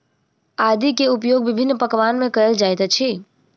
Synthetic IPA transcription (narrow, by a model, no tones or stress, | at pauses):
ad̪ikeupjoɡ̚bibʱinːpəkʋanmẽkəɾəld͡ʒajt̪t͡ʃʰi